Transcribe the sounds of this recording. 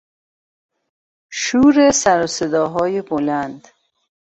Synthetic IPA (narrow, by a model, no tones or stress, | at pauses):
ʃuːɾesæɾosed̪ɒːɦɒːjebolænd̪